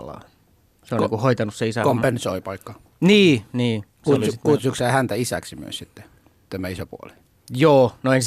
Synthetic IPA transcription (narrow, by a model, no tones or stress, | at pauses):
lɑ̰ | seonniːŋkuhoit̪ɑnusseisækompensoipɑikːɑ | niːniː | suolikut̪suksæːhænt̪æisæ̰ksimyø̰ssit̪ːe | t̪æmæisopṵo̰li̥ | joːnoens